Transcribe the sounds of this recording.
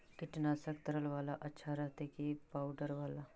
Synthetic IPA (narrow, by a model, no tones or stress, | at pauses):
kɪʈnaːsək̚t̪əɾəlʋaːlaʔɐtːʃʰaɾəɦt̪ekipaːwɖəɾʋaːla